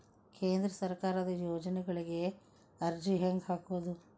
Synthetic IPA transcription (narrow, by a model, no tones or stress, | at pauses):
kʰeːnd̪ɾɐsɐɾkaːɾɐd̪ɐjoːd͡ʒɐnɛɡɐɭiɡe̞ | ɐɾd͡ʒiɦeŋɡɦaːkuʋod̪u